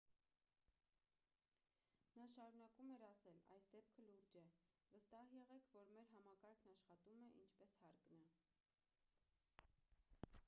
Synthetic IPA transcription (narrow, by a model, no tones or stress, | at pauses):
nɑʃɑɾunɑkumɛɾɑsɛlɑ̰jsd̪ɛp̚kʰəluɾd͡ʒɛ | vəst̪ɑhjɛʁɛkʰvɔɾmɛɾɦɑmɑkɑɾkʰnɑʃχɑt̪umɛʔint͡ʃʰpɛshɑɾknɑ